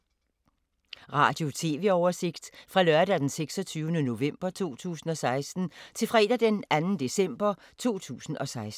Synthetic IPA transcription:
ʁɑ̰̈ːd̥jo̝t͡sʰe̝ːʋe̝ɒʊɐse̝ɡ̥d̥fʁɑ̈lɶɐd̥æd̥enseɡ̥sɒ̽t͡sʰyːʊnəno̝ʋem̰b̥ɐt͡sʰo̝̰ːt͡sʰṵːsn̩ɒ̽sɑ̈ɪsd̥n̩t͡sʰe̝lfʁɛ̰ːd̥æd̥enænn̩d̥e̝sem̰b̥ɐ | t͡sʰo̝̰ːt͡sʰṵːsn̩ʔɒ̽sɑ̈ɪs

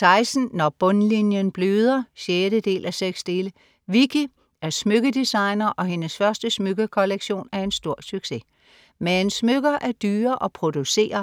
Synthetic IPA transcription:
t͡sʰɑ̈ɪsn̩ːɒb̥ɔ̽nlinjənb̥løːð̞ˠɐɕeːɾ̥əd̥e̝̰ːlʔæseɡ̥sd̥e̝ːlə | ʋikʰi | æɐsmøɡ̥ədisɑ̈ɪnɐʔɒ̽ɦe̝nəsfɶɐsd̥əsmøɡ̥əkʰɒ̽leɡ̥ɕo̝̰ːnæɐe̝nsd̥o̝ɐ̰syɡ̥se̝ | meensmøɡ̥ɐʔæɐd̥yːɐʔɒ̽pʰʁo̝d̥use̝̰ːɐ

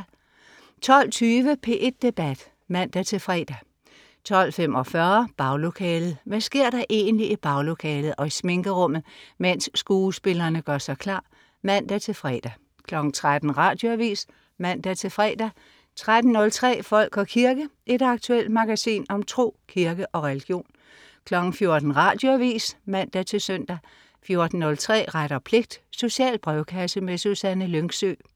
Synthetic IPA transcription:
t͡sʰɒ̽l̰t͡sʰyːʋəpʰe̝̰ʔe̝d̥̚ːe̝b̥æd̥ | mæn̰d̥æt͡sʰe̝fʁɛ̰ːd̥æ | t͡sʰɒ̽l̰fem̰ɒ̽fɶɐb̥ɑ̈ʊlo̝kʰɛːlð̩ˠʋæsɡ̥e̝ɐ̰d̥ɑ̈ʔe̝̰ːnliʔib̥ɑ̈ʊlo̝kʰɛːlð̞̩ˠʔɒ̽isme̝ŋɡ̥əʁɔ̽m̰ð̩ˠmen̰sːɡ̥uːsb̥e̝lɐːnəɡ̥ɶɐsɑ̈ɪkʰlɑ̈ː | mæn̰d̥æt͡sʰe̝fʁɛ̰ːd̥æ | kʰlɒ̽ɡ̥n̩t͡sʰʁad̥n̩ʁɑ̈d̥jo̝æʋḭːs | mæn̰d̥æt͡sʰe̝fʁɛ̰ːd̥æ | t͡sʰʁad̥n̩ːɔ̽lt͡sʰʁɛ̰ːfɒ̽l̰ɡ̥ɒ̽kʰiɐɡ̥əʔe̝d̥ɑ̈ɡ̥̚t͡sʰuel̰d̥mɑ̈ɡ̥æsḭːnɒ̽mt͡sʰʁo̝̰ːkʰiɐɡ̥əʔɒ̽ʁɛliɡ̥jo̝̰ːn | kʰlɒ̽ɡ̥n̩fjo̝ɐd̥n̩ʁɑ̈d̥joæʋḭːsmæn̰d̥æt͡sʰe̝søn̰d̥æ | fjo̝ɐd̥n̩ːɔ̽lt͡sʰʁɛ̰ːʁaɾ̥ɐpʰle̝ɡ̥̚d̥so̝ɕiɛ̰ːld̥̚b̥ʁɛʊkʰæsəmesusænəløŋɡ̥sø̰ː

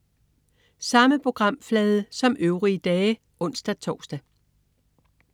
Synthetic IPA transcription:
sɑ̈məpʰʁo̝ɡ̥ʁɑ̈m̰flɛːðˠəsɒ̽mʔøʊʁiəd̥ɛː | ʔɔ̽n̰sd̥æt͡sʰɒːsd̥æ

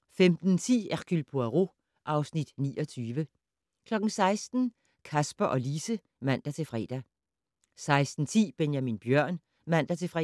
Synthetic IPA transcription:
femd̥n̩t͡sʰḭːæʁɡ̥ylpʰoæʁo̝ | ʔɑ̈ʊsnid̥nḭːʔɒ̽t͡sʰyːʋə | kʰlɒ̽ɡ̥n̩sɑ̈ɪsd̥n̩ | kʰæsb̥ɐʔɒ̽liːsə | ʋæn̰d̥æt͡sʰe̝fʁɛ̰ːd̥æ | sɑ̈ɪsd̥n̩t͡sʰḭːb̥enjæminb̥jɶɐ̰n | ʋæn̰d̥æt͡sʰe̝fʁɛ

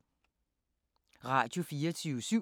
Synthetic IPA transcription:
ʁɑ̰̈dofiːɐt͡sʰyːsy

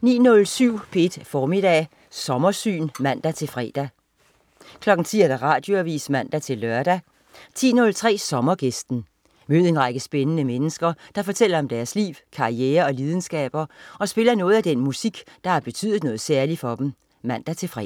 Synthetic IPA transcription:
nḭːnɔ̽lsyʊ̰pʰeed̥fɒːmid̥ɛ̰ː | sɒ̽mɐsy̰ːnmæn̰d̥æt͡sʰe̝fʁɛ̰d̥æ | kʰlɒ̽ɡ̥ŋ̩t͡sʰḭːæɐd̥ɑʁɑ̈ːd̥jo̝æʋḭːsmæn̰d̥æt͡sʰe̝lːœɐd̥æ | t͡sʰḭːnɔ̽lt͡sʰʁɛ̰ːsɒ̽mɐɡ̥esd̥n̩ | møːð̩̰ˠenʁɑɡ̥əsb̥enənəmenəsɡ̥ɐd̥ɑ̈fɒ̽t͡sʰel̰ɐɒ̽md̥æɐslḭːʊkʰɑ̈ieːɐɒ̽liːð̞ˠn̩sɡ̥ɛ̰ːb̥ɐɒ̽sb̥e̝lɐnɔ̽ːð̞̩ˠæd̥enmusiɡ̥d̥ɑ̈æɐb̥e̝t͡sʰy̰ðˠð̩ˠnɔ̽ːð̩ˠsæɐlifɒ̽d̥em̩ | mæn̰d̥æt͡sʰe̝fʁɛ

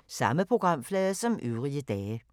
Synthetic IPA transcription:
sɑ̈məpʰʁoɡ̥ʁɑ̈m̰flɛːðˠsɒ̽mʔyʊʁiəd̥ɛːə

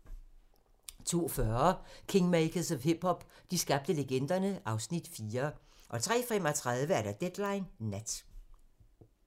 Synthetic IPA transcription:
t͡sʰo̝̰ːfɶɐkʰe̝ŋmeɪkʰəsɒhib̥hɒ̽b̥d̥isɡ̥ɑ̈b̥̚d̥əleɡ̥en̰d̥ɐnəʔɑ̈ʊsnid̥fiːɐ | ʔɒ̽t͡sʰʁɛ̰ːfem̰ɒt͡sʰʁað̞ˠʋəæɐɾæd̥ed̥lɑ̈ɪnːæd̥

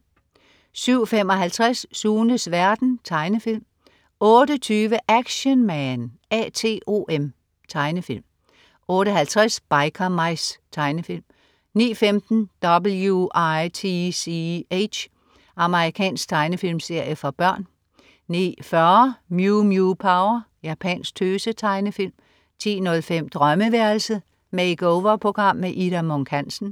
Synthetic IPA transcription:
syʊ̰fem̰ɒ̽ɦælt͡sʰʁasːuːnəsʋæɐd̥n̩t͡sʰɑ̈ɪnəfil̰m | ɔ̽ːɾət͡sʰyːʋəʔæɡ̥ɕənmænɛ̰t͡sʰe̝̰ːʔo̝̰ʔem | t͡sʰɑ̈ɪnəfil̰m | ɔ̽ːɾəɦælt͡sʰʁasb̥ɑ̈ɪkʰɐmɑɪst͡sʰɑ̈ɪnəfil̰m | nḭːfemd̥n̩d̥ɒ̽b̥l̩juɑɪt͡sʰisieɕ | ʔɑ̈məʁikʰɛ̰ːnsɡ̥̚t͡sʰɑ̈ɪnəfil̰mse̝ɐ̰jəfɒb̥ɶɐ̰n | nḭːfɶɐmjumjupʰɑ̈ʊɐjæpʰɛ̰nsɡ̥̚t͡sʰøːsət͡sʰɑ̈ɪnəfil̰m | t͡sʰḭːnɔ̽lfem̰d̥ʁɶməʋæɐlsə | meɪɡ̥oʊʋɐpʰʁo̝ɡ̥ʁɑ̈m̰ːeʔidæmɔŋkʰænsn̩

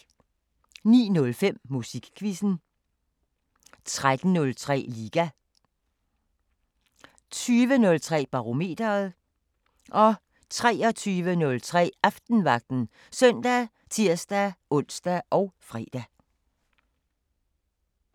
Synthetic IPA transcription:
nḭːnɔ̽lfem̰musiɡ̥kʰʋisn̩ | t͡sʰʁad̥n̩nɔ̽lt͡sʰʁɛ̰ːliːɡ̥æ | t͡sʰyːʋənɔ̽lt͡sʰʁɛ̰ːb̥ɑ̈ʁo̝me̝̰ːd̥ɐð̩ˠ | ʔɒ̽ | t͡sʰʁɛːɒ̽t͡sʰyːʋənɔ̽lt͡sʰʁɛ̰ːʔɑ̈fd̥n̩ʋɑ̈ɡ̥̚d̥n̩ | sœn̰d̥æ | t͡sʰiɐ̰sd̥æɔ̽n̰sd̥æʔɒ̽ʊfʁɛ̰ːd̥æ

